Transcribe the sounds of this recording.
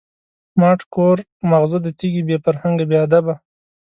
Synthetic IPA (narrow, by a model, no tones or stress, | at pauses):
mɑʈkoɾ | maɣzəd̪ət̪iɡibefaɾhaŋɡabjead̪aba